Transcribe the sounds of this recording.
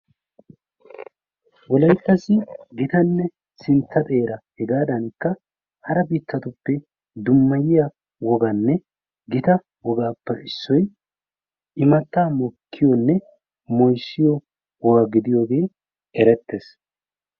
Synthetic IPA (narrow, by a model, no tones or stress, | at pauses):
wɔlɐjt̪ːɐsɪɡɪt̪ɐnːɛ | sɪnt̪ːɐt̪ʼe̞ːɾɐhɛɡaːd̪ɐnkːɐ | hɐɾɐbiːt̪ːɐt̪ʊpːɛ | d̪ʊmːɐjɪja | wɔɡɐnːɛ | ɡɪt̪ɐ | wɔɡaːpːɛʔɪsːɔj | ʔɪmɐt̪ːaːmɔkʰːɪjɔnːɛ | mɔjsːɪjɔ | wɔɡɐɡɪd̪ɪjoːɡe̞ː | ɛɾɛt̪ːe̞ːs